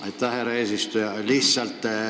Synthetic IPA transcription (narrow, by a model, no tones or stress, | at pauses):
ɑjt̪ːɑheɾɑeːsist̪ujɑlisːɑlt̪